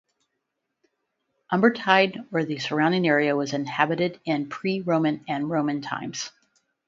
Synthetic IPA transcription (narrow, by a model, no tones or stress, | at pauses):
ʔʌ̃mbə˞tʰaɪɾə˞ðɨsə˞ãʊ̃ndɪ̃ŋɛɹiɨwʌzɨ̃nhæbɨɾɪɾɪ̃npʰɹ̥iɹõʊ̃mɨ̃nɨ̃nɹõʊ̃mɨ̃ntʰã̰ɪ̃mz̥